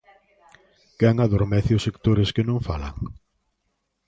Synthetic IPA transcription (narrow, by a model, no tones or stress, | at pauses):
kɛŋaðoɾmɛθɪʊsek̚t̪oɾɪskɪnõŋfala̰ŋ